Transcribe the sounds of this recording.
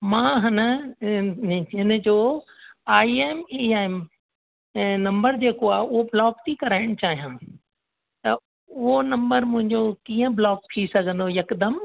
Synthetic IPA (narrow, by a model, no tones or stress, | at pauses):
mãːɦɐnə | ɪnə̆d͡ʑoː | aːieːmiaːɪm | nɐ̃mbəɾd͡ʑeːkoaːʊɦoblɔːkt̪ʰikɐɾaːɪɽ̃ʊt͡ɕaːɦijãː | t̪ɐ | ʊɦonɐ̃mbəɾmʊ̃ɦɪ̃ɲd͡ʑokiːə̃blɔːk̚pʰisɐɡʱə̃nd̪ojɐkd̪əm